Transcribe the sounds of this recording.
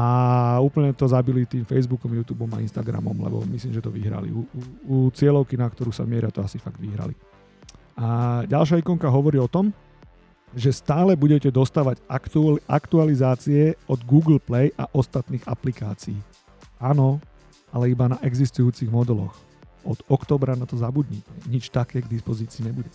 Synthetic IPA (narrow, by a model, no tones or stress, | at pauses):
auːpl̩ɲɛt̪ɔzabilit̪iːmfɛjzbukɔmjuːt̪uːbɔma̰inst̪aɡɾa̰mɔ̰mlɛ̰bɔ̰misliːmʒɛt̪ɔʋiɦɾa̰lḭuuut͡sɪɛlɔʊkinakt̪ɔɾuːsa̰mɪɛɾat̪ɔasifaɡd̪ʋiɦɾa̰lḭ | aɟalʃ̬aikɔŋkaɦɔʋɔɾiːɔt̪ɔm | ʒɛst̪aːlɛbuɟɛcɛd̪ɔst̪aːʋaɟ | akt̪ualizaːt͡siɛɔd̪ɡuːɡl̩plɛjʔaʔɔst̪at̪niːɣaplikaːt͡siiː | anɔ | alɛibanaʔɛɡzist̪ujuːt͡siɣmɔd̪ɛlɔ̰x | ɔd̪̥ɔkt̪ɔːbɾanat̪ɔzabud̪ɲicɛɲit͡ʃt̪akɛːɡd̪ispɔziːt͡siːɲɛbuɟɛ